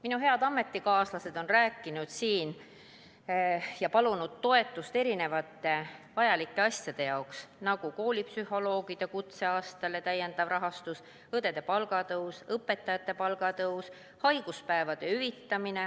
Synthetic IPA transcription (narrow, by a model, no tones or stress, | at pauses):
minuɦe̞ɑd̪ɑmːe̞t̪ːˑikɑːslɑse̞d̪̥o̞nræːkːˑinud̪̥siːn | jɑpɑlunud̪̥̚t̪o̞e̞t̪ːˑust̪e̞ɾine̞vɑt̪ːˑe̞vɑjɑlikːˑe̞ɑsjɑd̪̥e̞jɑoksnɑɡ̥uko̞ːlʲipsyho̞lo̞ːɡ̥id̪̥ekut̪se̞ɑːst̪ɑlet̪æjːe̞nd̪̥ɑvrɑɦɑst̪us | ɤd̪̥e̞d̪̥e̞pɑlɡɑt̪ɤuwsɤpːˑe̞t̪ːˑɑjɑt̪ːˑe̞pɑlɡ̥ɑt̪ɤws | hɑjɡ̥uspæevɑd̪̥e̞yvit̪ːɑmine̞